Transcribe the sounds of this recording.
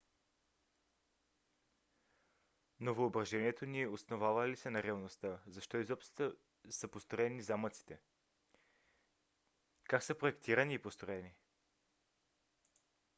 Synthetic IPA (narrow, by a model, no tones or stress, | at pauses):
novoːbɾɐʒɛniɛt̪oniɛosnovavəlisɛnɐɾɛɐlˠnost̪əzɐʃt̪ɔizɔpst̪t̪ə | səpost̪ɾoɛnizamət̪si̥t̪ɛ | kaksəpɾoɛkt̪ʰiɾɐniːpost̪ɾoɛni